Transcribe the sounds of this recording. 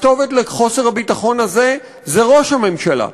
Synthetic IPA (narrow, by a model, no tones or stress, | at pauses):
t̪o̞vetleχo̞seʁabitaχo̞naze̞ | zeʁoʃhame̞mʃala̰